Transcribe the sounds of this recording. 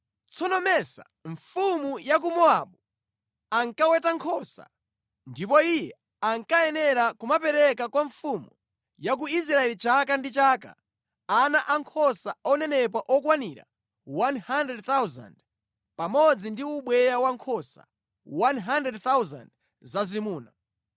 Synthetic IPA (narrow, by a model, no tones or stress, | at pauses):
t͡sɔnɔmɛsa̰ | ɱfumujak̬umɔaɓu | aŋkawɛtaŋkʰɔsa̰ | ndipɔijɛ | aŋkaɛnɛɾakumapɛɾɛkakwaɱfumu | jak̬uis̬ɾaɛlit͡ʃakandit͡ʃaːka̰ | anaʔaŋkʰɔsaɔnɛnɛp̬waʔɔkwaniɾa̰ | wanhandɛdθawza̰nd | pamɔd͡zindiuɓwɛjawaŋkʰɔsa̰ | wanɦandɛdt̪awza̰nd | zazimuːna